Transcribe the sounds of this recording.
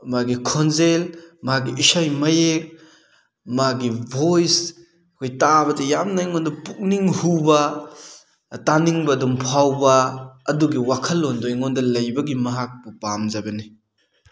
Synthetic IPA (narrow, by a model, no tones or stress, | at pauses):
maɡikʰɔnzelmaɡiisajmɐjek̚ | maɡibʱojs | kʰojtabɐtɐjamnajŋɔndɐpuk̚niŋhubɐ | taniŋbɐːdumpʰawbɐːduɡiwakʰɐlːɔndɔjŋɔndɐlɐjbɐɡimɐɦak̚bupamzabɐni